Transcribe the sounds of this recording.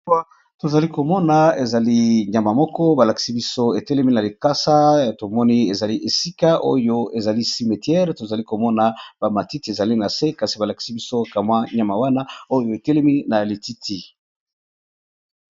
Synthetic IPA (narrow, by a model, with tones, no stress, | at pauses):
a˦ | to˨za˨li˦ko˨mɔ˦na˨e˨za˨li˦ɲa˨ma˨mɔ˦kɔ˦ba˨la˨ki̥˨si˦bi˦so˦e˨tɛ˦le˦mi˦na˨li˨ka˦sa˦˨to˨mɔ˦ni˦e˨za˨li˦ʔe˨si˦ka˦ʔo̰˦jo˦e˨za˨li˦si˨me˨tjɛ˦ʁto˨za˨li˦ko˨mɔ˦na˨ba˨ma˨ti˦ti˨e˨za˨li˦na˨se˦ka˨si˨ba˨la˨ki̥˨si˦bi˦so˦ka˨mwa˦ɲa˨ma˨wa˦na˦o˦jo˦e˨tɛ˦le˦mi˦na˨li˨ti˦tʰi˨